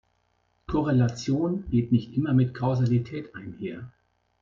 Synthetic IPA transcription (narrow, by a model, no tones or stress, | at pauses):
kʰɔʁelat͡sjoːnɡ̥eːtnɪçtʔɪmɐmɪtkʰaʊzalitʰɛːtʔaɪnheːɐ